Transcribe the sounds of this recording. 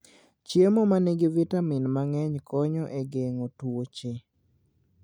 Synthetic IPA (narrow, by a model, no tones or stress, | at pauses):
t͡ʃjemɔmaneɡɪvitamɪnmaŋɛɲkɔɲɔʔeɡeŋotwot͡ʃɪ